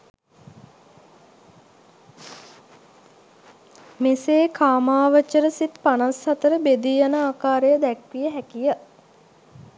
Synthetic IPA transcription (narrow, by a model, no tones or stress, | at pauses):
meseːkʰaːmaːʋət͡ʃːəɾəsit̪panashat̪əɾəbed̪iːanaːkaːɾejəd̪ɛkʋijəɦɛkijə